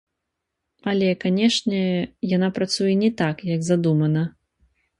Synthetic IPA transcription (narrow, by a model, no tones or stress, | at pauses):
ɐlʲɛkanʲɛʂnʲɛjanapɾat̪sujɛnʲɛt̪akjɐɡzad̪umɐnɐ